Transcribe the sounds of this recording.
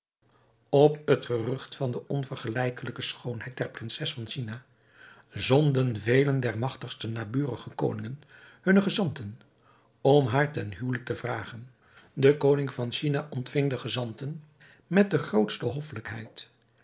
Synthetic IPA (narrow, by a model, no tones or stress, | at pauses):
ɔpətχərɵχtfɑndəʔɔnvəɹχəlɛjkələkəsχownɦɛjt̚dɛɹprɪnsɛsfɑnʃina | zɔndənvejləndɛɹmɑχtəχstənaːbyːrəχəko̰wnɪŋən | hɵnəχəzɑntən | ɔmɦaːɹtɛnɦywlək̚təvraːχən | dəkownɪŋvɑnʃinaʔɔntfɪŋdəχəzɑntən | mɛt̚dəχrowtstəɦɔfələkɦɛ̰jt